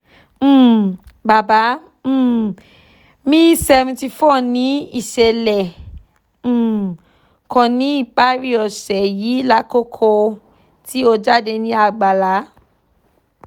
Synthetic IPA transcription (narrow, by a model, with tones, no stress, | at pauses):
ba˨bã˨˦˨ | mĩ˦sɛ˧vɛ̃˧ti˧fɔ˦˨nĩ˦i˦˨ʃɛ˧lɛ˨˦˨ | kɔ̃˧nĩ˨˦i˦˨k͡pa˦ɾi˦ɔ˨ʃɛ˨ji˨˦la˦ko˦kʰo˧ | ti˦o˧d͡ʒa˦˨de˧nĩ˨˦a˧˨ɡ͡ba˨la˨˦